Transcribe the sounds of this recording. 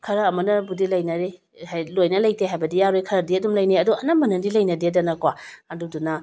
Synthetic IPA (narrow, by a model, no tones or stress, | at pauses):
kʰɐɾɐːmɐnɐbudilɐjnɐɾe | hajlojnɐlɐjteɦajbɐdijaɾojkʰɐɾɐdiɐdumlɐjniɐduɐnɐmbɐnɐdilɐjnɐdidɐnɐkwaɐdudunɐ